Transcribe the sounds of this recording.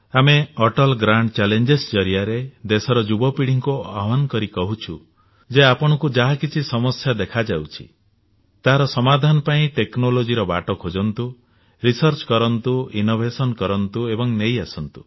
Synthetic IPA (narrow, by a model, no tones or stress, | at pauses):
ameɔʈɔlɡɾaɳɖt͡ʃalend͡ʒesd͡ʒɔɾijaɾed̪esɔɾɔd͡ʒubɔpiɽiŋkuaɦmankɔɾikɔɦut͡ʃʰu | d͡ʒeapɔɽ̃ɔkud͡ʒaɦakit͡ʃʰisɔmɔsjad̪ekʰad͡ʒawt͡ʃʰi̥̰ | t̪aɦaɾɔsɔmad̪ʱanɔpaĩʈeknolod͡ʒiɾɔba̰ʈɔkʰod͡ʒɔnt̪u | ɾisɔɾt͡ʃkɔɾɔnt̪uinobʱesɔnkɔɾɔnt̪uebɔŋnejasɔnt̪u̥